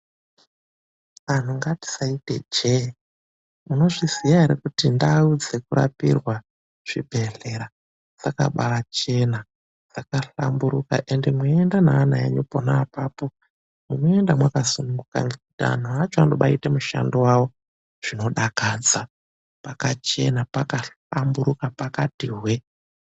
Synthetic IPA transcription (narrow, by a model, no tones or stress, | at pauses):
an̤uŋɡati̥saite̞̰d͡ʒe | muno̞ʐizijaɦeɾekutindaud͡ze̞kuɾa̰pḭrwa | ʐ̥ibʱe̞ɬe̞ɾa | d͡z̥aka̰ɓalat͡ʃe̞na | d͡z̥akaɬambuɾuka̰ʔe̞nde̞mweendanaːnaḛɲupo̞naːpaːpo̞ | muno̞e̞ndamwakasunuŋɡuka̰nekutia̰n̤uat͡ʃoandoɓaitemuʃa̰ndowawo̞ | ʐ̥ino̞ɗakad͡za | pakat͡ʃe̞napakaɬ | ambuɾukapakatiɦwe